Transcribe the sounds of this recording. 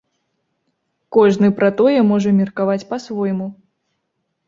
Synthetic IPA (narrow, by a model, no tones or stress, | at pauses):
kɔʐnɨpɾat̪ɔjɛmɔʐɐmʲirkavat͡sʲpɐsvɔjmu